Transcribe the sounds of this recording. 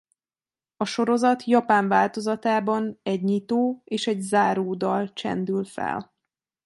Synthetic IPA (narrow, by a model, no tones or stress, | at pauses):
ɒʃo̞ɾo̞zɒt̪jɒpaːɱvaːlt̪o̞zɒt̪aːbɒnɛɟɲit̪oːeːʃɛɟzaːɾoːd̪ɒlt͡ʃɛ̰nd̪ylfɛ̰l